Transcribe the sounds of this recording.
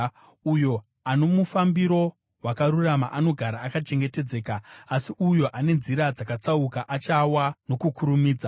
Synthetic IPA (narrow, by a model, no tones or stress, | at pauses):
ujo̞ | ano̞mufambiɾo̞ | wakaɾuramaʔano̞ɡʱaɾaːkat͡ʃe̞ŋɡe̞te̞d͡ze̞ːkaːsiujo̞ʔane̞nziɾad͡zakat͡saukaʔat͡ʃawano̞kukuɾumiːd͡za